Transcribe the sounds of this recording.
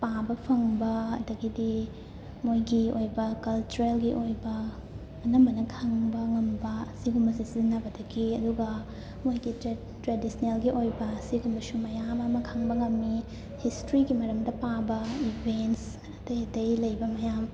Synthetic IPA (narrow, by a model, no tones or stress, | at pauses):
pabɐpʰɐŋbɐɐ̰dɐɡidi | mojɡiojbɐkɐlt͡ʃuɾelɡiʔojbɐ | ɐnɐmɐnɐkʰaŋbɐŋɐmbɐsiɡumbɐsisinɐbɐdɐɡiɐduɡɐ | mojɡi | tɾedisnelɡiʔojbɐsiɡumbɐsumɐjamɐmɐkʰaŋbɐŋɐmːi | histɾiɡimɐɾɐmdɐpabɐibʱents | ɐtɐjtɐjlɐjbɐmɐjam